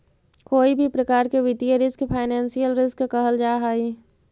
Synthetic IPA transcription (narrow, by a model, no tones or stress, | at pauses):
koːibʱipɾɐkaːɾkeʋɪd̪ijəɾɪskpʰaːɪnɛ̃ːnsijəlɾɪskkəɦəld͡ʒaːɦaːi